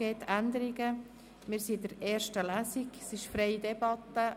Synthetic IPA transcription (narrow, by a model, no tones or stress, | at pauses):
eːt̪ʰænd̪əɾiɡə | mɪːɾsidəɾɛːɾʃtəlæːsiɡsɪʃfɾɛɪdɛbɑt̪ːə